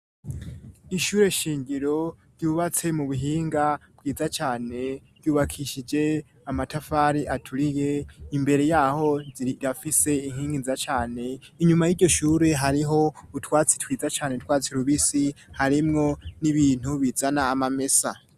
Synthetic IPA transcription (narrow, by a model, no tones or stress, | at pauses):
iʃuːɾe̞ʃiːɲɟiɾo̞ɾɟuːβat͡se̞muβuɦiːŋɡab̥̚ɡiːd͡zat͡ʃaːne̞ɾ̥juːβakʰiʃid͡ʒe̞ | amatafaɾiʔatʰuɾije̞imbe̞ɾe̞jaho̞iɾafise̞iŋhiːŋɡinzat͡ʃaːne̞iɲumajiɟo̞ʃuːɾe̞ɦaɾiɦo̞utwaːt͡si̥twiːzat͡ʃaːnetwaːt͡siɾuβisihaɾimŋo̞niβiːn̥uβizanaːmame̞sa̰